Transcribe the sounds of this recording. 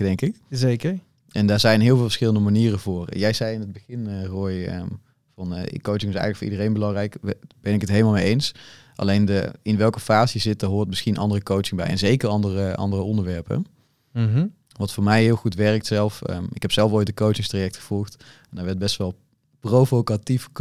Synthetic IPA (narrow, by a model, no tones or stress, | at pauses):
dɛŋkɪkzekəɹ | ʔɛndaːɹzɛjnɦɪːlˠvɪːlˠvə̥ɹsxɪləndəmaniːrəvʊːrjɛjzɛjɪnɦəd̚bəɣɪnərojə̰ | vɑn̰kowt͡ʃɪŋɪsɛ̰jɣələkfʊːʔḭdərejnbəlɑŋrɛjkb̥ɛnɪkətɦejləmalˠmejejns | ʔɑ̰lejndəɪnʋɛlˠkəfaːzizɪt̚dəɹɦoːɹt̚mɪsxinʔɑ̰ndərəkowt͡ʃɪŋbɛ̰jɛ̰nzejkərɑndərəʔɑ̰ndərəɔndəɹʋɛɹpə̰ | ʋɑtfʊːɹmɛjɦɪːlˠχutʋɛɹk̚tsɛlˠfə̰ɪkɦɛpsɛlˠfojt̚dəkowt͡ʃɪŋstrajɛk̚txəv̥ɔlˠxtɛndaːɹʋɛɹd̚bɛstʋɑlˠ | prowvokatif